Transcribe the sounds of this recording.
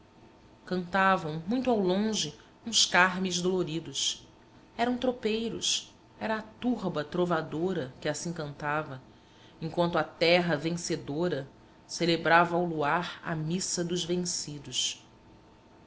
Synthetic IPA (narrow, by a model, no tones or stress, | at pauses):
kɐ̃nt̪avɐ̃w̃mũj̃t̪ʊawlõʒɪ | ũskaɦmizd̪oloɾid̪ʊs | ɛɾɐ̃w̃t̪ɾopejɾʊ̰s | ɛɾɐːt̪uɦbɐt̪ɾovad̪oɾɐkɪasĩkɐ̃nt̪avɐ | ẽŋkwɐ̃nt̪ʊat̪ɛɦɐvẽsed̪oɾɐ | selebɾavɐawluaɾɐ̰misɐd̪ʊʒvẽŋsid̪ʊʃ